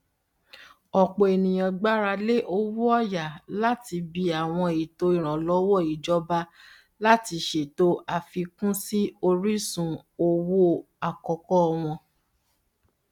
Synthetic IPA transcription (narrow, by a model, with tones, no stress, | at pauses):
ɔ˨k͡po˨e˨nĩ˨j̃ã˨ɡ͡ba˦ɾa˧le˦ʔo˧wu˦ɔ˦˨ja˨la˦ti˧bi˧a˨w̃ɔ̃˧i˨to˨˦i˦˨ɾ̃ã˨lɔ˨˦wɔ˦˨i˨d͡ʒɔ˦ba˦ | la˦ti˧ʃe˨to˦a˨fi˧kũ˦si˦o˧ɾi˦sũ˨o˧wo˦ | a˨kɔ˨kɔ˦˧w̃ɔ̃˧